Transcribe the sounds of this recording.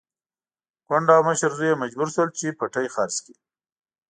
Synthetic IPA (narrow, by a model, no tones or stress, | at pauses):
kaɳɖawməʃəɾzujemad͡ʒbuɾʃwəlt͡ʃepaʈajxɑɾski